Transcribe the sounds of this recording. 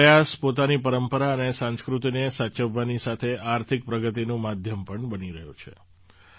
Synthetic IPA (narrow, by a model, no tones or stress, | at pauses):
əjaspot̪anipəɾəmpəɾaənesãnskɾut̪inesaʃəbʋanisat̪ʰeaɾt̪ʰik̚pɾəɡət̪inũmad̪ʱjəmpəɳbəniɾəɦjṵ̃t͡ʃʰḛ